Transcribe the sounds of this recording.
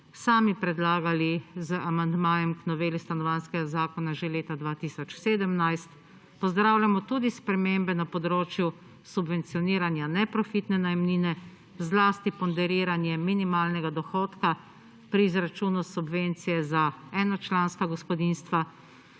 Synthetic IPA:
saːmipɾɛd̪laːɡalizəamand̪maːjɛmknɔʋeːlist̪anɔʋanskɛɡazaːkɔnaʒeleːt̪ad̪ʋaːt̪iːsɔt͡ʃseːd̪əmnajst̪ | pɔzd̪ɾaːwlʲamɔt̪uːd̪ispɾɛmeːmbɛnapɔd̪ɾoːt͡ʃju | subʋɛnt̪sijɔniːɾanjanɛpɾɔfit̪nɛnajmniːnɛ | zlaːst̪ipɔnd̪ɛɾiːɾanjɛminimaːlnɛɡad̪ɔxɔːt̪ka | pɾiːzɾat͡ʃuːnusubʋent̪sijɛzaɛːnat͡ʃlaːnskaɡɔspɔd̪inst̪ʋa

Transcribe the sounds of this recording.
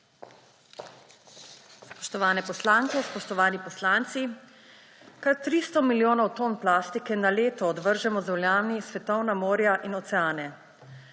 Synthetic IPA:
spɔʃt̪ɔʋaːnɛpɔslaŋkɛspɔʃt̪ɔʋaːnipɔslaːnt̪si | kaɾt̪ɾist̪ɔmiljoːnɔwt̪oːnplaːst̪ikɛnaleːt̪ɔːd̪ʋəɾʒɛmɔzɛwljaːnisʋɛt̪ɔwnamoːɾjaʔinɔt̪sɛaːnɛ

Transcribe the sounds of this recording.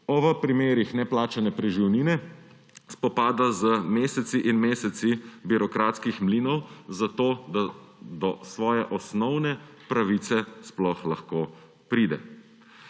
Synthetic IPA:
ɔʋəpɾimeːɾixnɛplaːt͡ʃanɛpɾɛʒiwniːnɛ | spɔpaːd̪azəmeːsɛt̪siʔinmeːsɛt̪sibiɾɔkɾaːt̪skixmliːnɔwzat̪oːd̪ad̪ɔsʋɔːjɛʔɔsnɔwnɛ | pɾaʋiːt̪sɛsplɔxlaxkoː | pɾiːd̪ɛ̰

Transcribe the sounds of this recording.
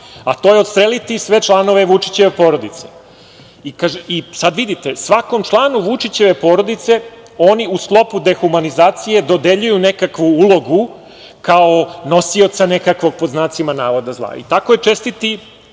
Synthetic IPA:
at̪ojeost̪ɾelit̪isʋe̞t͡ʃlˠano̞ʋe̞ʋut͡ʃi̥t͡ɕeʋepoɾo̞d̪it̪se̥ | ikaʒisad̪ʋid̪it̪e̞sʋakomt͡ʃlˠaːnuʋut͡ʃit͡ɕe̞ʋe̞po̞ːɾo̞d̪it̪se̞ | o̞ːniusklˠo̞pud̪e̞xumanizaːt̪sije̞d̪o̞d̪e̞ʎujune̞kakʋuulˠo̞ɡu | kaono̞sio̞t̪sane̞kakʋo̞ɡ̚po̞znaːt̪simanaːʋo̞d̪azlˠa̰ḭt̪akojet͡ʃe̞st̪it̪i

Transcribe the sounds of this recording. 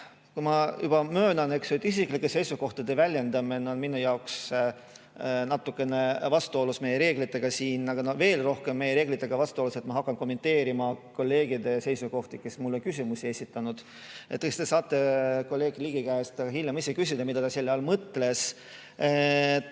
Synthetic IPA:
kumɑjub̥ɑmø̞ːnɑne̞ksot̪ːis̬ikˑlikːese̞jsuko̞ht̪ɑd̪̥e̞vælʲje̞nd̪ɑmineo̞nminujɑoks | nɑt̪ːˑukːˑe̞ne̞vɑst̪uo̞lusme̞jeɾe̞ːɡ̥lit̪ːˑe̞ɡ̥ɑsiːnɑɡ̥ɑnove̞ːlro̞hke̞mːe̞jeɾe̞ːɡlit̪ˑːe̞ɡ̥ɑvɑst̪uo̞luse̞t̪mɑɦɑkːˑɑnko̞mːe̞nt̪ːe̞ːɾimɑko̞lːe̞ːɡid̪e̞se̞jsuko̞ht̪ike̞smulːo̞nkysʲimusie̞sit̪ːˑɑnud̪̥ | ḛt̪ːˑest̪e̞sɑːt̪ːˑe̞ko̞lʲːe̞ːɡ̥liɡ̥ikæst̪ɑɑɦilʲjemisekys̬ʲid̪ɑmid̪̥ɑd̪ɑselːjeɑlmɤt̪ːˑle̞s | et̪

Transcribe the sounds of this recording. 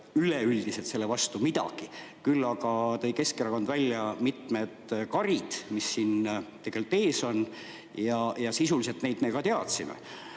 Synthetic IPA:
yleyld̪̥iset̪se̞lːevɑst̪umid̪̥ɑ̰ɡ̥ikylːɑɡ̥ɑt̪ɤ̞jke̞skeɾɑkond̪vælʲːjɑmit̪me̞d̪̥kɑɾid̪̥misːint̪e̞ɡ̥e̞lt̪ːˑe̞ːso̞n | jɑjɑsisulis̬e̞lt̪ne̞jd̪̥mekɑt̪e̞ɑt̪simḛ

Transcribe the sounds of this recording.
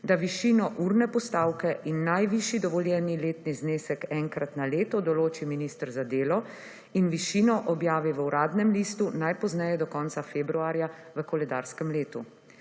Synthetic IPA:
d̪aʋiʃiːnɔʔuːɾnɛpɔst̪aːwkɛinːajʋiʃid̪ɔʋɔljɛnileːt̪nizneːsɛkɛŋkɾat̪naleːt̪ɔd̪ɔloːt͡ʃiminist̪əɾzad̪eːlɔ | inʋiʃiːnɔʔɔbjaːʋiʋəwɾaːd̪nɛmliːst̪unajpɔznɛjɛd̪ɔkɔːnt̪safeːbɾuaːɾjaʋəkɔlɛd̪a̰ːɾskɛmleːt̪u

